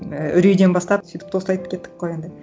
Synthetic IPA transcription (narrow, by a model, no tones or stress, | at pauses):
ʔʏɾejd̪e̞nbɑst̪ɑpsyjt̪ɪp̚t̪ʰo̞slˠɑjt̪əp̚kʲʰe̞t̪ːɪ̥kːoje̞nd̪ɪ